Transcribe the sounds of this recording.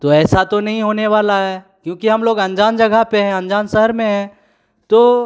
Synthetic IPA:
t̪oɛːsat̪onɐɦĩɦoːneʋaːlaɦɛː | kjõːkiɦɐmloːɡɐ̃nd͡ʒaːnd͡ʒɐɡʱaɦpeɦɛ̃ɐ̃nd͡ʒaːnsɐɦəɾmẽɦɛ̃ː | t̪oː

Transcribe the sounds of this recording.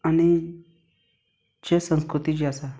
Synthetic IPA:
añi | t͡ɕesə̃nskɾut̪id͡ʑasa

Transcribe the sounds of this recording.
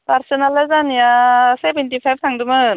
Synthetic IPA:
paɾsɔnalazanijasebentipʰajb̚ʰtʰaŋdɯmɯ

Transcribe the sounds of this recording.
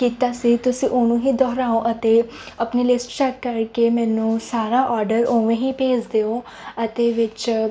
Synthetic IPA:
kiːt̪aːsit̪ʊsĩːʔonũːɦiːd̪ɔːɦɾaːõʔɐt̪e | ɐpnilɪsʈt͡ʃɛkːɐɾkemɛ̃ːnũːsaːɾaʔɔːɾɖəɾõːʋẽɦipeːd͡ʒd̪eːoː | ɐt̪eʋɪt͡ʃ

